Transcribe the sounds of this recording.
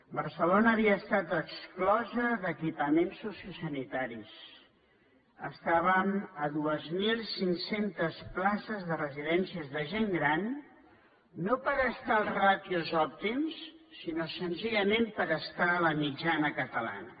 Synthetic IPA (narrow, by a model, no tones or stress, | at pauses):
bəɾsəlonəːβiəːst̪at̪əksklɔzəðəkipəmensːusiusənit̪aɾis | ə̰st̪aβəməðuəzmilˠsiŋsent̪əsplasəzðərəziðɛnsiəzðəʒeŋɡɾan | opəɾəst̪aːlˠzrat̪iuzɔp̚t̪imssinosənziʎəmempəɾəst̪aləmid͡ʒanəkət̪əla̰nə